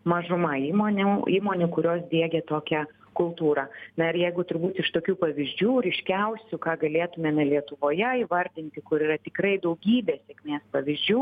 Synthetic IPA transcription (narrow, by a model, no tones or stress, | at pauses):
mɐʒʊmɐiːmoːnʲʊiːmoːnʲʊkʊɾʲoːsd̪ʲiɛɡʲɛt̪oːkʲɛ | kʊlˠt̪uːɾɑːnɐɪɾjɛɪɡʊt̪ʊɾbuːt̪ɪʃt̪oːkʲuːpɐʋʲɪzʲd͡ʒʲuːɾʲɪʃʲkʲɛʊsʲʊkɑːɡɐlʲeːt̪ʊmʲɛmʲɛlʲiɛt̪ʊʋoːjɛiʋɐɾʲd̪ʲɪnʲt̪ʲɪkʊɾiːrɐt̪ʲɪkrɐɪd̪ɐʊɡʲiːbʲeːsʲɛkʲmʲeːspɐʋʲɪzʲd͡ʒʲuː